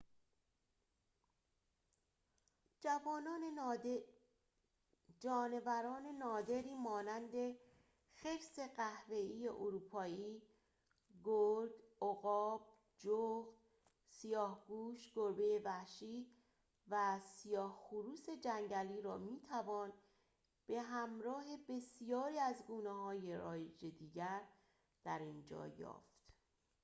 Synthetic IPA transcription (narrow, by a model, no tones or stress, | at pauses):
d͡ʒvɒːnɒːn | d͡ʒɒːne̞væɾɒːne̞nɒːd̪e̞ɾiːmɒːnænd̪e̞ | xe̞fse̞ɢæhve̞iːjḛʔoɾuːpʰɒːiː | ɡoɾɡoɣɒːb̥̚ | d͡ʒoxd̪ | sijɒːhɡuːʃɡ̥oɾbejevæhʃiː | væsijɒːhxuɾuːse̞d͡ʒæŋɟæliːɾɒːmiːt̪ʰævɒːn | b̥e̞ɦæmɾɒːɦe̞be̞sijɒːɾiːæzɡuːneɦɒːje̞ɾɒːjed͡ʒe̞d̪iːɟæɾ | d̪̥æɾind͡ʒɒ̰ːjɒ̰ːft̪